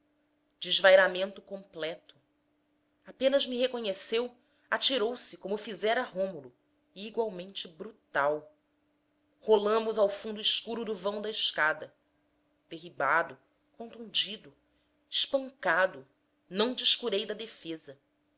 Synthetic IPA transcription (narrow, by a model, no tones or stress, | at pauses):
d͡ʒɪzvajɾamẽnt̪ʊkõmplɛt̪ʊ̥ | apẽnɐzmiɦekõɲesew | at͡ʃiɾowsɪkõmʊfizɛɾɐɦõmʊlʊː | ɡwawmẽnt͡ʃɪbɾut̪aw | holɐ̃mʊzawfũnd̪ʊiʃkuɾʊd̪ʊvɐ̃w̃d̪ɐiʃkad̪ɐ | d̪̥eɦibad̪ʊ | kõnt̪ũnd͡ʒid̪ʊ | ɪʃpɐ̃ŋkad̪ʊ | nɐ̃w̃d͡ʒiʃkuɾejd̪ɐd̪efezɐ